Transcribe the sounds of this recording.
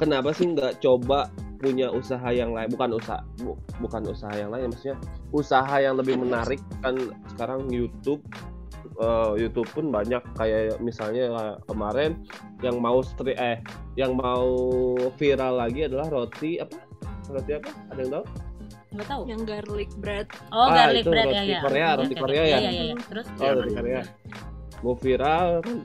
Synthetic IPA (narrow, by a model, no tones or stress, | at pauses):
kənapasɪhŋɡaʔt͡ʃobapuɲaʔusaɦajaŋlaɪnbukanusa̰ | bbukanusaɦajaŋlaɪnmaksɲaʔusaɦajaŋləbɪhmənaɾɪkːansə̥kaɾaŋjut̪ʊb̚ | əjut̪ʊb̚pʊnbaɲakːajamisalɲaaakəmaɾɛn | jaŋmaust̪ɾiʔajaŋmaufiɾalːaɡiadalahrot̪iapa | ɾot̪iapa | adajaŋt̪au | ŋɡat̪aujaŋɡarlɪk̚bɾat̪̚ait̪uɾot̪ikoɾeaɾot̪ikoɾeajasodaɾikaɾea | maufiɾalkan